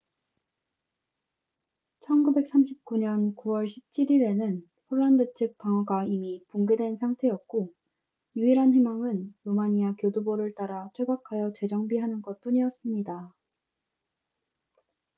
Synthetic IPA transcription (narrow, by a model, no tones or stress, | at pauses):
t͡ɕʰʌnɡube̞k̚s͈amɕʰip̚k͈uɲʌnkuwʌɭɕʰip̚t͡ɕʰiɾiɾe̞nɯn | pʰoɭːandɯt͡ɕʰɯk̚p͈aŋʌɡaimipuŋɡe̞dwe̞nsʰaŋtʰe̞jʌk̚k͈o | juiɾɦanɸemaŋɯnɾomaɲiakjodoboɾɯɭt͈aɾatʰwe̞ɡakʰajʌt͡ɕwe̞d͡ʑʌŋbiɦanɯnɡʌt̚p͈uɲijʌs͈ɯmɲida